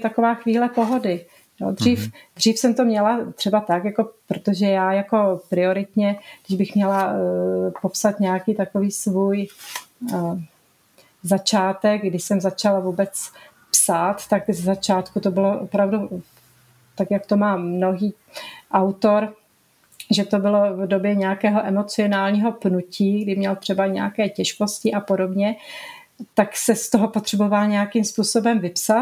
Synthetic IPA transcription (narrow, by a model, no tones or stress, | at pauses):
t̪akovaːxviːlɛpo̞ɦo̞dɪ | jo̰d̪riːfd̪r̝iːfsɛmt̪omɲɛlat̪r̥ɛbat̪akjako̞pɾot̪oʒɛjaːjako̞pɾɪo̞ɾɪt̪ɲɛɡdɪʒbɪxmɲɛla | po̞psat̪ɲɛjakiːt̪ako̞viːsvuːj | zat͡ʃaːt̪ɛk̚ɡdɪʃsɛmzat͡ʃalavuːbɛt͡s | psaːt̪ːakzɛzat͡ʃaːt̪kut̪o̞bɪloʔo̰pɾavdu | t̪akjakt̪o̞maːmno̞ɦiː | ʔawt̪o̞ɾ | ʒɛt̪o̞bɪlo̞vdo̞bjɛɲɛjakɛːɦoʔɛmot͡sɪo̞naːlɲiːɦo̞pnuciːɡdɪmɲɛlt̪r̥ɛbaɲɛjakɛːcɛʃko̞scɪʔapo̞do̞bɲɛ | t̪aksɛst̪oɦo̞po̞t̪r̝̥ɛbovalɲɛjakimspuːso̞bɛmvɪpsa